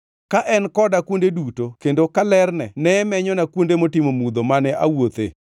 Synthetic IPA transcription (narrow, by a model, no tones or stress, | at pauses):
kaʔɛnkɔdakwondedutokendokalɛrnɛnɛmɛɲɔnakwondemotimomud̪omanɛʔa̰wot̪ḛ